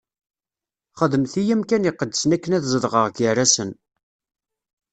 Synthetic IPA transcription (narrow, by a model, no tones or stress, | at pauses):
χəðəmθijæmkænjəqːəd̪ːəsənækːənæθzˤəðʁəʁɡəræsən